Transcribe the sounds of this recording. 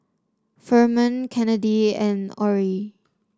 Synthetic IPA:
fɜmə̃nkʰɛnədiɛ̃nɔɹi

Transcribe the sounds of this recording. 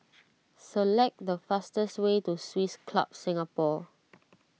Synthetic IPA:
səlɛk̚dəfastəswetuswiskʰla̰p̚sɪ̃ŋapɔ

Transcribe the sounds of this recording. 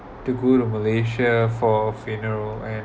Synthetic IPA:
tuɡoɾuməleʃəfɔfinəɹəlɛ̃n

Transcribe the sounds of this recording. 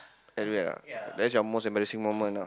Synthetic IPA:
ɛtɹiwɛla̰dɛts̬jɔmosɛ̃mbɛɹisĩŋmomə̃na

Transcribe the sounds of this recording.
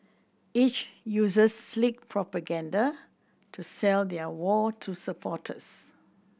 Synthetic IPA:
it͡ʃjuzəsːlik̚pʰɹɔpəɡãnda | tʰusɛld̪ɛwɔtʰusəpʰɔtʰə̰s

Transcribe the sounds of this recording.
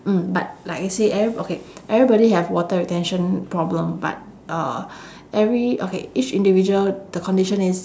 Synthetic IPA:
m̩bat̚laɪkaseʔɛvɹiokeʔɛvɹibɔɾiɦɛfwɔtəɹitɛ̃nʃə̃npɹɔblə̃mba̰t̚ | ʔʌ | ʔɛvɹiokḛit͡ʃĩndivid͡ʒuəldəkʰɔ̃ndiʃə̃nis

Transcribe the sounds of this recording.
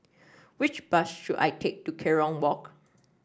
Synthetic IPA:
wɪt͡ʃb̥asʃuda̰jtʰek̚tukʰɛɹɔ̃nwɔk

